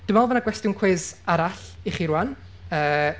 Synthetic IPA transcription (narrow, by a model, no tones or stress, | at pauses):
d̥əmaɔlˠvənaɡwɛstɪwnkʰwezaɾaɬiχiɾuwan | əː